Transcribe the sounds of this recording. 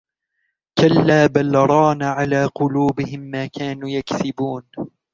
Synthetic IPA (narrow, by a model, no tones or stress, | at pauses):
kalːaːbalɾˤɑːnaʕalaːqʊluːbɪhɪmːaːkaːnuːjakθɪbuːn